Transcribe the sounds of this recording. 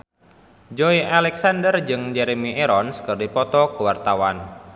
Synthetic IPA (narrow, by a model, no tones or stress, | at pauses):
d͡ʒɔiʔalɛksandərd͡ʒɨŋd͡ʒɛɾemiʔeɾɔnskərdipɔt̪ɔkəwart̪awan